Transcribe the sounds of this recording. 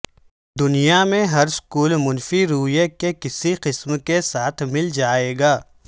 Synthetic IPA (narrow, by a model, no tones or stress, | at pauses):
d̪ʊnijamẽɦɐɾskuːlmʊnfiɾuːjekekɪsiqɪsmkesaːt̪ʰmɪld͡ʒaːeːɡaː